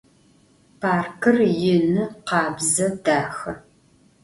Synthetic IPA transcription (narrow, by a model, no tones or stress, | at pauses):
pʰaːrkʰɨrjɪnɨqɑːbzɐd̥aːxɐ